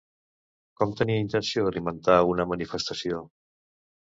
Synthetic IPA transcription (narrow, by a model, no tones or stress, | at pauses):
kɔmt̪əniəint̪ənsioəlimənt̪aunəmənifəst̪əsio